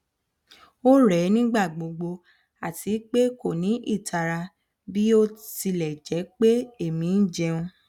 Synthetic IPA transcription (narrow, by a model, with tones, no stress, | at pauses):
o˦ɾɛ˨˦nĩ˦ɡ͡ba˦˨ɡ͡bo˧ɡ͡bo˧ | a˨ti˨˦k͡pe˦ko˦˨nĩ˨˦ʔi˦˨tʰa˨ɾa˧ | bi˦o˦ti˧lɛ˨d͡ʒɛ˨˦k͡pe˦e˦˨mĩ˨˦n̩˦d͡ʒɛ˧ũ˧